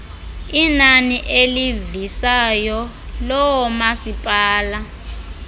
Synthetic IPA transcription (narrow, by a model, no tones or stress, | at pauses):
inaniʔelivisajɔ | lɔwɔmasipʼaːla